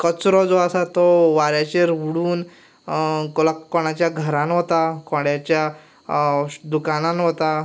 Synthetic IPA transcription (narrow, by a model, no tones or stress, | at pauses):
kət͡sɾɔd͡zɔasat̪ɔʋaɾjat͡ɕeɾʋuɽuːn | kolakɔɽ̃at͡ɕjaɡʱəɾãnɦot̪akɔɽjat͡ɕja | d̪ukananɦot̪a